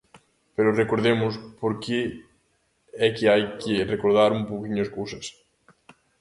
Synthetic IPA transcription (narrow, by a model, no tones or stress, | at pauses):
peɾʊrekoɾðemʊspoɾkɪ | ɛkɪajkɪrekoɾðaɾumpowkiɲʊɐskowsɐs